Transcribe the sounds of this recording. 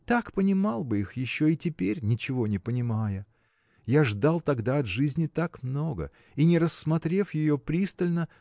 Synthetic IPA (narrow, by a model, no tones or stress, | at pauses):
t̪akpənʲɪmalˠbɨixjɪɕːoɪtʲɪpʲeɾʲnʲɪt͡ɕɪvo̞nʲɪpənʲɪmajə | jaʐd̪alˠt̪ɐɡd̪aɐt̪ʐɨzʲnʲɪt̪akmno̞ɡə̰ | inʲɪɾəsːmɐt̪ɾʲe̞fjɪjo̞pɾʲist̪əlʲnə